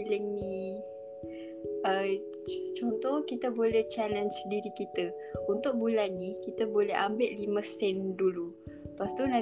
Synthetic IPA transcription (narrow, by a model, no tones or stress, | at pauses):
ləŋni | ə | t͡ʃɔnt̪ɔhkit̪abolɛht͡ʃalənsdiɾikit̪ə | unt̪ʊk̚bulanːikit̪abolɛɦambɪʔ̪̚liməsɛndulu | past̪unã